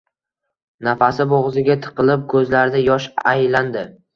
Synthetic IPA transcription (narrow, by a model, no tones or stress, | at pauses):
nafasɪboʁzɪɡʲat̪ʰɨ̥qʰɨlˠɪp̚kʰɵzlaɾd̪ajɒʃajland̪ɪ